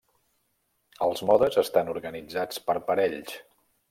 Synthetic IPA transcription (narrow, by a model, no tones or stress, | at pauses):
əlˠzmɔðəzəst̪anuɾɣənid͡zat͡spəɾpəɾɛʎs